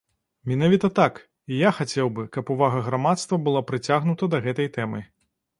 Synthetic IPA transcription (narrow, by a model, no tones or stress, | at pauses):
mʲinavʲit̪ɐt̪ak | ijaxat͡sʲɛwbɨkɐpuvaɣɐɣɾamat̪st̪vɐbɨlˠapɾɨt͡sʲaɣnut̪ɐd̪ɐɣɛt̪ɐjt̪ɛmɨ